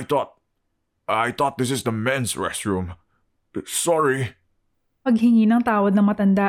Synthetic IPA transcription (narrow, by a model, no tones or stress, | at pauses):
jt̪ɔt̪̚ | ajt̪ɔt̪̚d̪ɪs̬ɪsd̪əmɛ̃nsɹɛ̰st̪ɹũm | sɔɹi | pɐɡ̚hɪŋinɐŋt̪aːwɐd̪̚nɐŋmɐt̪ɐnd̪a